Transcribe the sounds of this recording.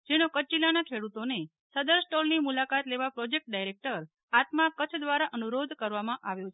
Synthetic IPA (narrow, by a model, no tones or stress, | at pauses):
d͡ʒeñokət͡ʃilanakʰeɽut̪one | səd̪əɾsʈolnimulakat̪leʋapɾɔd͡ʒek̚ʈ̚ɖajɾek̚ʈəɾ | at̪makːət͡ʃʰd̪ʋaɾaʔənuɾod̪ʱkəɾʋamãʔaʋjot͡ʃʰe